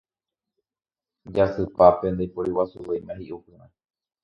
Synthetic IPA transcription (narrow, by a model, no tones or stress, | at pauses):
d͡ʒasɨpapend̪ajpoɾiwasuwejmãhiʔupɨɾ̃ã